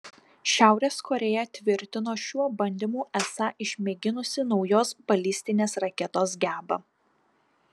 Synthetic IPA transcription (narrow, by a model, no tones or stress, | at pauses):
ʃʲæˑʊɾʲeːskʰɔɾʲɛjɛt̪ʲʋʲɪɾʲt̪ʲɪnoːʃʲuɔbɐnʲd̪ʲimuːʔɛsɑʔɪʃʲmʲɛɡʲɪnʊsʲɪnɒʊjoːsbɐlʲɪsʲt̪ʲɪnʲeːsɾɐkʲɛt̪oːsɡʲæːbɐ